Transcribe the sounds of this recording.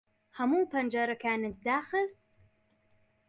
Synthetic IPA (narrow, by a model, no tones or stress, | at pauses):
hɐmuːpʰɐnd͡ʒaɾɐkʰaːnɨt̪d̪aːxɨst̪̚